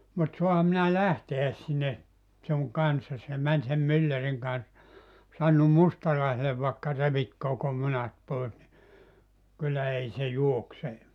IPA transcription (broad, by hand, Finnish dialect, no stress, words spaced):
mut soɑhɑm minæ læhteæs sinːe suŋ kɑnsːɑs jɑ mæn sem mylːæriŋ kɑns sɑnːum mustɑlɑisele ʋɑekːɑ reʋit koko munɑt pois ni kylːæ ei se juokse